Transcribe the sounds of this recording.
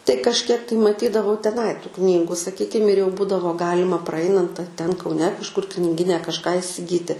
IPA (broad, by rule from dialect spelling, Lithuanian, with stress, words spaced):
tɐɪ kɐʃʲˈkʲiɛk tɐɪ mɐˈtʲiːdɐʋɐʊ tʲɛˈnɐɪ tuː ˈknʲiːɡʊ sɐˈkʲiːkʲɪm ɪr jɛʊ ˈbuːdɐʋoː ˈɡɑːlʲɪmɐ prɐˈɐɪnɐnt ɐr tʲɛn kɐʊˈnʲɛ kɐʃˈkʊr knʲɪˈɡʲiːnʲɛ kɐʃˈkɑː ɪsʲɪˈɡʲiːtʲɪ